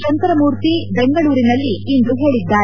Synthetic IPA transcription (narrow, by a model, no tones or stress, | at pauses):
ɐnt̪ɐɾɐmuːɾt̪ibeŋɡɐɭuːɾinɐlːiind̪uɦe̞ːɭid̪ːaːɾ